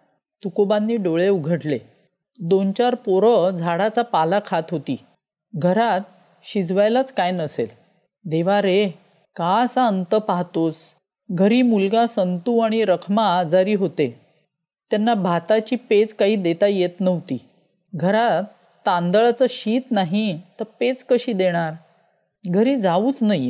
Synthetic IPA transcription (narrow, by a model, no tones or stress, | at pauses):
t̪ukobanːiːɖoɭeuɡʱəʈle | d̪ont͡ɕaɾpoɾəd͡zʱaɽat͡sapalakʰat̪ɦot̪ḭː | ɡʱəɾat̪̚ | ɕid͡zʋajlat͡skajnəsḛl | d̪eʋaɾe | kaəsaənt̪əpaɦt̪os | ɡʱəɾiːmulɡasənt̪uːaɽ̃iɾəkʰmad͡zəɾiːɦot̪e | t̪janːabʱat̪at͡ɕiːpet͡skaɦiːd̪et̪ajet̪nəʋt̪ḭː | ɡʱəɾat̪ː | ãnd̪əɭat͡səɕiːt̪naɦit̪əɾpet͡skəɕiːd̪eɽ̃aɾ | ɡʱəɾiːd͡zauːt͡snaj